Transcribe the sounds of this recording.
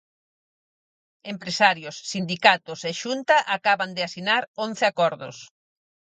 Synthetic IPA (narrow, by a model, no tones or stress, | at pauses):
empɾesaɾjʊsːind̪ikat̪ʊseʃunt̪ɐʔakaβand̪ɪasinaɾonθɪakɔɾðʊ̰s